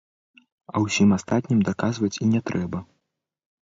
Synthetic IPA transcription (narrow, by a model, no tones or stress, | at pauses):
ɐwsʲimast̪at̪ʲnʲimd̪akazvɐt͡sʲinʲɛt̪ɾʔɛbɐ